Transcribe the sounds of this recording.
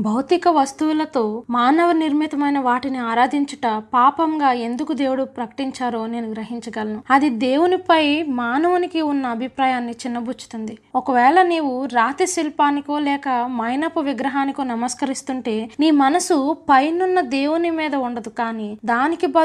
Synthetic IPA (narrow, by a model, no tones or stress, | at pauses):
bʱɐwt̪ikɐʋɐst̪ulɐt̪o̞ːmaːnɐʋɐniɾmit̪ɐmɐjnɐʋaːʈiniaːɾaːd̪iɲt͡ʃɐʈɐpaːpɐŋɡaːe̞nd̪ukud̪e̞ːwuɽupɾɐkɐ̥ʈiɲt͡ʃaːɾoːneːnuɡɾɐɦiɲt͡ʃɐɡɐlɐnuɐd̪id̪e̞ːwunipɐjmaːnɐʋunikiunːɐːbʱipɾaːjaːnːit͡ʃinːɐbʱut͡ʃːi̥t̪und̪iɔkɐʋɛːɭɐniːwuɾaːt̪isilpaːnikoːlɛːkɐmɐjnɐpuʋiɡɾɐɦaːnikonɐmɐskɐɾist̪uɳʈe̞ːniːmɐnɐsupɐjnunːɐd̪e̞ːwunimiːd̪ɐuɳɖɐd̪ukaːnid̪aːnikibɐ